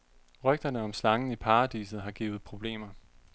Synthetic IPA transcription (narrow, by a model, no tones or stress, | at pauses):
ʁœɡ̥̚d̥ɐnəɒ̽mslɑ̈ŋn̩ipʰɑ̈ːd̥ḭːsð̩ˠɦɑ̈ɡ̥ḭːʊð̞̩ˠpʰʁo̝b̥le̝̰ːmɐ